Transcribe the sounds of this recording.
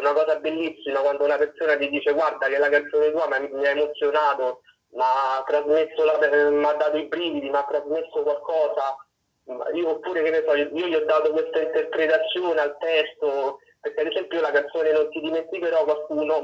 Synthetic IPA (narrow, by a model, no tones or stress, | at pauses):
ɛunakɔːzabelːisːimakwand̪ounapersoːnat̪id̪iːt͡ʃeɡward̪akelakant̪soːnet̪uːamamiaemot̪sːjonaːt̪o | maːt̪ːɾazmesːolapmad̪ːaːt̪̬oipɾiːvid̪imaat̪ːɾazmesːokwalkɔːza | ma̰iːoːpːuːɾekenːesɔiːoʎiɔd̪ːaːt̪okwest̪aint̪erpɾet̪at̪sːjoːnealt̪ɛst̪o | peɾk̟ead̪esɛmpjoiolakant̪soːnenont̪id̪iment̪ikeɾɔkwalkuːno